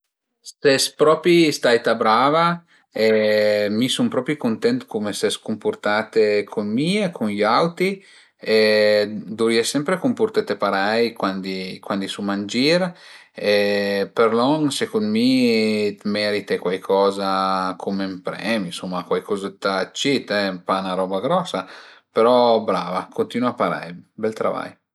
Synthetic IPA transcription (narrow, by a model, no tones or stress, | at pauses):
st̪ɛspɾɔːpɾist̪ajt̪abɾava | emisumpɾɔːpɾikont̪ɛnt̪komesɛskomport̪at̪ekʰonmiekʰonʎawt̪i | e | d̪uɾiasɛmpɾekomport̪et̪epaɾajkwand̪ikwand̪isumand͡ʒiɾ | epeɾlɔnsekond̪mit̪mɛɾit̪ekwajkʰɔːzakʰomempɾɛːminsomːakwajkɔzet̪at͡ʃːit̪ɛmpanaɾɔːbaɡɾɔsːa | peɾɔbɾavakʰont̪iːnuapaɾa̰jbɛlt̪ɾa̰va̰j